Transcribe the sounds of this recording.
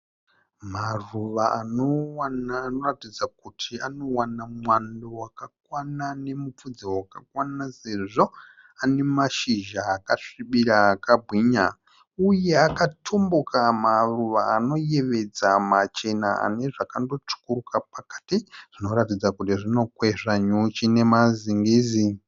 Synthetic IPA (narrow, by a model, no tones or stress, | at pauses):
maruʋaʔanowanaːno̞ratid͡zakutʰiano̞wanamwandowakakwanane̞mup͡fud͡ziwakakwanase̞ʐo̞ | ane̞maʃiʒaːkaʂiɓiɾaːkabʱwiɲa | uje̞akatʰumbukʰamaruʋaːno̞je̞ʋe̞d͡zamat͡ʃe̞naa̰ne̞ʐakando̞t͡ʂu̥kurukapakḁtiʐ̥ino̞ɾatid͡zakutiʐino̞kwe̞ʂaɲut͡ʃine̞maziŋɡiːzi